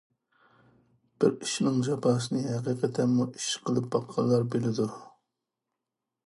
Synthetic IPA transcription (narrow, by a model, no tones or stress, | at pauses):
b̥ɪɾiʃnɪŋʒɑpʰɑːsɨnɨɦɛqiːqɛt̪ʰɛmːuiʃqʰəlˠɨp̚bɑqʰːɑlˠːɑɾbelɪd̪u